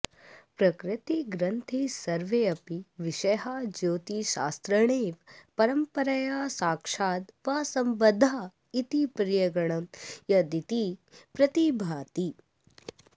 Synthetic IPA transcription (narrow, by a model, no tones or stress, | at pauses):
pɾɐkɾɪt̪iɡɾɐnt̪ʰisɐɾʋeɐpiʋiʃɐjɦad͡ʒoːt̪iʃa̰ːst̪ɾɐɳ̃eːʋpɐɾɐmpɐɾɐjaːsaːkʂaːd̪ʋaːsɐmbɐd̪ʱːaː | it̪ipɾijɐɡɐɳ̃ɐmjɐd̪it̪ipɾɐt̪ibʱaːt̪i